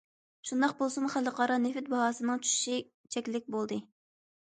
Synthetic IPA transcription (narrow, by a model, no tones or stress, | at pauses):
ʃund̪ɑqbolˠsɨmχælˠːəqʰɑɾɑnefɪt̪̚bɑɦɑːsɨnɨŋt͡ʃʰy̥ʃʃi | t͡ʃʰɛkʲlɪk̚ʲbolˠd̪ɨ